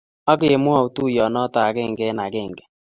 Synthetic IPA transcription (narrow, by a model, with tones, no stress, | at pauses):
ɔ˦kɪ˨e˨mʊ˦ɔ˦˨ʊ˨tu˦˨jɔ˨nɔ˦ta˨a˨ɡɪ˦˨ŋ̩˨ɡɛ˦na˨ɡɪ˦˨ŋ̩˨ɡɛ̥˨